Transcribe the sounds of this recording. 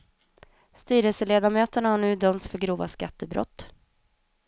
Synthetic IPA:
st̪yːɾɛlsəleːd̪amøːt̪əɳahaɳʉ̟ːd̪œmt̪sfœɾɡɾuːva̰skat̪ːəbɾɔ̰t̪ː

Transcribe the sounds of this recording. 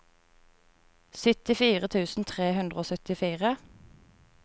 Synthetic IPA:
sʏt̪ɪfiːʁət̪ʰʉːsn̩t̪ʰʁeːhʉnd̪ʁəoːsœt̪ɪfiːʁə

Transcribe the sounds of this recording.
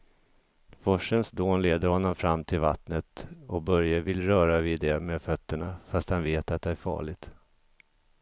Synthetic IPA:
fɔʂənsd̪oːnleːd̪əɾhɔnːɔmfɾamːt̪ʰɪlva̰t̪nət̪ɔkbœɾjavɪlɾœːɾavɪd̪ɛmeːd̪fœt̪ːəɳafast̪hanveːt̪at̪̚d̪ɛæɾfɑ̰ːɭɪɡ̚t̪

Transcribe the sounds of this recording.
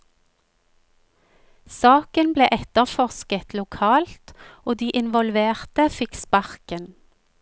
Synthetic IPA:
sɑːkənbleːʔɛt̪əʁfɔʁskət̪ʰlʊkʰɑːlt̪oːd̪iːʔɪnʋɔlʋeːʁt̪əfɪkspɑʁkən

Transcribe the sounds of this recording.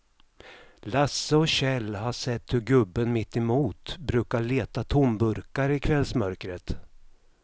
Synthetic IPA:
lasːəɔɕɛlːhaʂɛt̪ːhɵɾɡɵbːənmɪt̪ːɛmuːt̪bɾʉ̟ːkaɭeːt̪at̪ʰʊmbɵɾkaɾɪkʰvɛlsmœɾkɾət̪

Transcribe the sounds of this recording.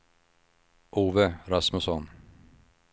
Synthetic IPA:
ʔuːvəɾasmɵsɔn

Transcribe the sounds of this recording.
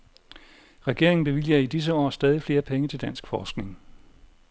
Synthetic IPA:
ʁɛɡ̥e̝ɐ̰eŋn̩b̥e̝ʋil̰jɐid̥is̬əɒ̰ːsd̥ɛːð̞ˠifle̝ːɐpʰeŋət͡sʰe̝ld̥æn̰sɡ̥fɒːsɡ̥ne̝ŋ

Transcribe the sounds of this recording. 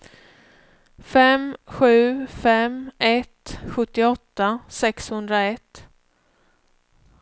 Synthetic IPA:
fɛmɧʉ̟ːfɛmɛt̪ɧɵt̪ːɪɔt̪ːasɛkshɵnd̪ɾaɛt̪ː

